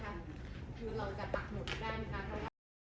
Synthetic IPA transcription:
a˧˩kʰɯː˧ɾa˧wt͡ɕa˨˩t̪a˨˩k̚mu˩˦n˦daː˥˩jna˦˥kʰa˦˥pʰɾɔ˦˥waː˥

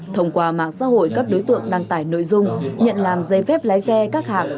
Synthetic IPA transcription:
t̪ʰə˧wŋ͡mkwaː˧˩ma̰ː˧˨ŋsa̰ː˧˥ho̰˧˨jkaː˦˥k̚ɗo˨˦jt̪ɨ̰˧˨əŋɗaː˧ŋt̪aː˧˩jno̰˧˨jzʊ˧ŋ͡mɲə̰˧˨nlaː˨˩mzə˧jfɛ˦˥p̚laː˨˦jsɛ˧kaː˦˥k̚haː˨˩k̚

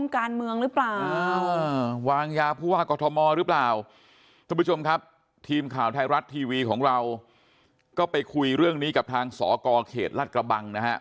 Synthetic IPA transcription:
mkaː˧nmɯ˧əŋɾɯ˦˥plaː˨˩aː˧waː˧ŋjaː˧pʰuː˥˩waː˥˩kɔː˧t̪ʰɔ˧mɔː˧ɾɯ˦˥plaː˨˩w | k̪ʰa˧˥˧pʰːu˦˥t͡ɕʰo˧mkʰa˦˥p̚ | t̪ʰiː˧mkʰaː˨˩wt̪ʰa˧jɾa˦˥t̪ʰːiː˧wiː˧kʰɔː˩˦ŋɾa˧w | kɔː˥˩pa˧jkʰu˧jɾɯ˥˩əŋniː˦˥ka˨˩p̚t̪ʰaː˧ŋsɔ̰ː˩˦kɔː˧kʰḛː˨˩t̪̚laː˥˩kɾa˧ba˧ŋna˦˥kʰa˦˥ʔ

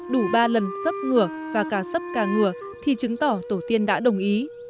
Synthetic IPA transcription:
ɗu˧˩ɓaː˧lə˨˩nsə˦˥p̚ŋɨ˧˩əvaː˨˩kaː˧˩sə˦˥p̚kaː˧˩ŋɨ˧˩ə | t̪ʰi˨˩t͡ɕɨ˨˦ŋt̪ɔ˧˩t̪o˧˩t̪i˧ənɗa̰ː˧˥ɗə˨˩wŋ͡mʔi˨˦

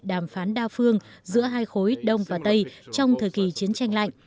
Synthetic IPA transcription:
ɗaː˧˩mfaː˨˦nɗaː˧fɨ˧əŋzɨ̰˧˥əɦaː˧jxo˨˦jɗə˧wŋ͡mvaː˨˩t̪ə˧jt͡ɕɔ˧wŋ͡mt̪ʰəː˨˩jki˨˩t͡ɕi˨˦ənt͡ɕa˧jŋ̟la̰˧˨jŋ̟

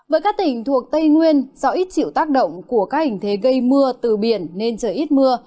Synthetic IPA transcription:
vəː˨˦jkaː˦˥k̚t̪ï˨˩ŋ̟t̪ʰu˨˩ək̚t̪ə˧jŋwi˧ənzɔ˨˦ʔi˦˥t̚t͡ɕḭ˧˨wt̪aː˦˥k̚ɗə̰˧˨wŋ͡mku˧˩əkaː˦˥k̚hï˨˩ŋ̟t̪ʰe˨˦ɣə˧jmɨ˧ət̪ɨ˨˩ɓi˧˩ənːe˧nt͡ɕəː˧˩ʔi˦˥t̚mɨ˧ə

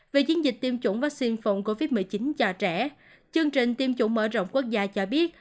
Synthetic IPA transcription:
ve˨˩t͡ɕi˨˦ənzï˨˩k̟̚t̪i˧əmt͡ɕu˧˩ŋ͡mvaː˦˥k̚si˧nfə˨˩wŋ͡mko˧vi˦˥t̚mɨ˨˩jt͡ɕi˨˦nt͡ɕɔ˨˩t͡ɕɛ˧˩ | t͡ɕɨ˧əŋt͡ɕï˨˩ŋ̟t̪i˧əmt͡ɕṵ˧˩ŋ͡mmə̰ː˧˩zo̰˧˨wŋ͡mku˦˥ək̚zaː˧t͡ɕɔ˧ɓi˦˥ət̚

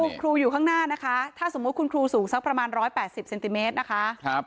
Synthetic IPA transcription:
kʰɾuː˧juː˨˩kʰa˥˩ŋnaː˥˩na˦˥kʰa˦˥t̪ʰaː˥˩so˩˦m̚ː˦˥kʰu˧nkʰɾuː˧suː˩˦ŋsa˦˥pɾa˧maː˧nɾɔː˦˥jpɛː˨˩t̪̚si˨˩p̚se˧nt̪i˨˧meː˦˥t̪̚na˦˥kʰa˦˥ʔp̚

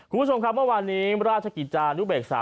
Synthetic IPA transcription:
kʰu˧mʰpʰo˧mkʰa˦˥p̚mɤ˥˩waː˧nːiː˦˥ɾaː˥˩t̪̚t͡ɕʰa˧ki˨˩t͡ɕaː˧ʔa˧nju˦˥beː˨˩k̚sa̰ː˩˦

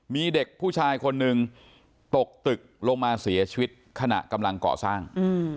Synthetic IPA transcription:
miː˧de˨˩k̚pʰːuː˥˩t͡ɕʰaː˧jkʰo˧nːɯ˧ŋ | t̪o˨˩k̚t̪ɯ˨˩k̚lo˧ŋmaː˧si˩˦ɐt͡ɕʰi˧wi˦˥t̪̚kʰa˧na̰˨˩ʔka˧mla˧ŋkɔ̰ː˨˩saː˥˩ŋɯ˧

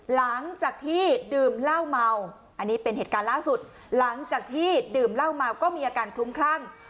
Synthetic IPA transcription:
la˩˦ŋt͡ɕaː˨˩k̚t̪ʰiː˥˩dɯː˨˩mla˥˩wma˧w | ʔa˧nːiː˦˥pe˧nɦeː˨˩t̪̚kaː˧nlaː˥˩su˨˩t̪̚ | la˩˦ŋt͡ɕaː˨˩k̚t̪ʰiː˥˩dɯː˧˩mla˥˩wma˧wkɔː˥˩miː˧ʔaː˧kaː˧nkʰlu˦˥mkʰlaː˥˩ŋ

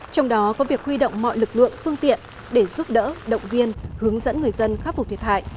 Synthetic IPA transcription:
t͡ɕɔ˧wŋ͡mɗɔ˨˦kɔ˨˦vi˨˩ək̚hwi˧ɗo̰˧˨wŋ͡mmɔ̰˧˨jlɨ˨˩k̚lɨ̰˧˨əŋfɨ˧əŋt̪ḭ˧˨ən | ɗe˧˩zʊ˦˥p̚ɗə̰ː˧˥ɗə̰˧˨wŋ͡mvi˧ənhɨ˨˦əŋzə̰˧˥nŋɨ˨˩əjzə˧nxaː˦˥p̚fʊ˨˩t̪ʰə˩t̚ʰha̰ː˧˨jʔ

